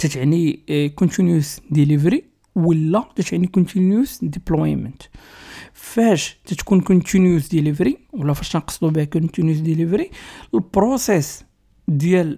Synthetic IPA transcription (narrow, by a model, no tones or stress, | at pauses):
t̪æt̪ʕnikont̪injusd̪ilivɾi | wəlːæt̪æt̪ʕnikont̪injusd̪iplɔjmənt̪ | fæʃt̪æt̪kunkont̪injusd̪ilivɾiwəlːæfæʃænqɑ̥sˤd̪ubihækont̪injusd̪ilivɾiəlbɾosɛs | d̪jæl